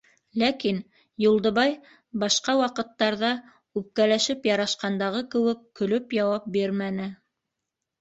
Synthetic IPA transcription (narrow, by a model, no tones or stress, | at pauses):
lækin | julˠd̪ɤ̆βɑj | bɑʃqɑwɑqɤ̆t̪ːɑɾðɑ | ʉp̚kælæʃɘpjɑɾɑʃqɑnd̪ɑʁɤkɘ̆wɘkːɵ̆lɵpjɑwɑp̚biɾmænɘ